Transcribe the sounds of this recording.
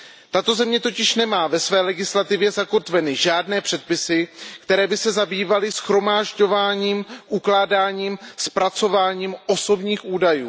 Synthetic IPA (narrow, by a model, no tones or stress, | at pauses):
t̪at̪o̞zɛmɲɛt̪o̞cɪʃnɛmaːvɛsvɛːlɛɡɪslat̪ɪvjɛzako̞t̪vɛnɪʒaːdnɛːpr̥ɛt̪̚pɪsɪkt̪ɛɾɛːbɪsɛzabiːvalɪsxɾo̞maːʒɟo̞vaːɲiːmʔuklaːdaːɲiːmspɾat͡so̞vaːɲiːmʔo̞so̞bɲiːxʔuːdajṵː